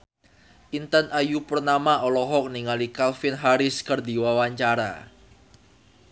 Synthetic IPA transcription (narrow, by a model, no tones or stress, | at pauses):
ʔint̪ənʔajupərnamaɔlɔɦɔk̚niŋalikalfɪnɦaɾɪskərdiwawaɲt͡ʃaɾa̰